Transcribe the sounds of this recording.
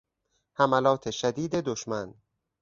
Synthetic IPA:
hæmælɒːt̪ʰeʃæd̪iːd̪e̞d̪oʃmæn

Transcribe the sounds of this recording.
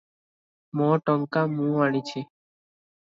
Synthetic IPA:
mɔʈɔŋkamũːaɽ̃it͡ʃʰe

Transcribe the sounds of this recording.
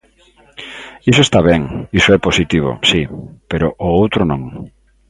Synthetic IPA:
is̬oest̪aβɛŋisoɛposit̪iβ̞o̰sipeɾoʔoowt̪ɾonõŋ

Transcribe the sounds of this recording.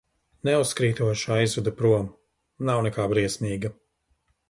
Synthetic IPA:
nɛusːkɾiːt̪uɔʃaizvɛd̪ɐpɾuɔm | nawnɛkaːbɾiɛsmʲiːɡɐ

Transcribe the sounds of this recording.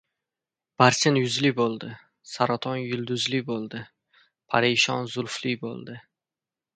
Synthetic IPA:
b̥aɾsɪnjʊzlɪbolˠd̪ɪ | saɾat̪ʰɒnjʊlˠd̪ʊzlɪbolˠd̪ɪ | pʰaɾeʃɒnzʊlˠflɪjbo̰lˠd̪ɪ

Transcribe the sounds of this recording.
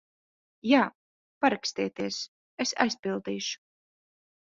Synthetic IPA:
jaː | paɾakst̪iːt̪iɛs | esa̰jspilˠd̪iːʃu̥

